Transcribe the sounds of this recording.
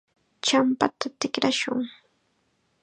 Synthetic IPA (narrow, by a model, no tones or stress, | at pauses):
t͡ʃampat̪at̪ɪkɾaʃʊŋ